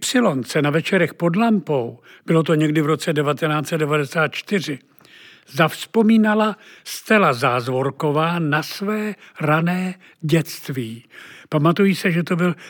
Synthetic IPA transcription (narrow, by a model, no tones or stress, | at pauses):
psɪlo̞nt͡sɛnavɛt͡ʃɛɾɛxpo̞dlampo̞wb̥ɪlo̞t̪̬oɲɛɡdɪvɾo̞t͡sɛdɛvat̪ɛnaːt͡sɛt̪dɛvadɛsaːt̪̚t͡ʃt̪ɪr̝ɪ | zafspo̞miːnalast̪ɛlazaːzvo̞ɾko̞vaːnasvɛːɾanɛː | ɟɛt͡st̪viːpamat̪ujɪsɛʒɛt̪o̞bɪl